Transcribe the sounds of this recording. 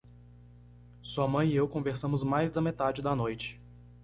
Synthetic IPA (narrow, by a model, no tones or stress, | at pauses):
suɐmɐ̃j̃ɪewkõveɾsɐ̃mʊzmajzd̪ɐmet̪ad͡ʒɪd̪ɐnojt͡ʃɪ̥